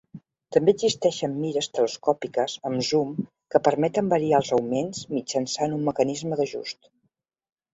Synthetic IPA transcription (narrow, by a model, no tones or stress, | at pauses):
t̪əmbeəzist̪ɛʃəmːiɾəst̪ələskɔpikəzəmzum | kəpəɾmɛt̪əmbəɾialˠzəwmenzmid͡ʒənsanumːəkənizməðəʒṵst̪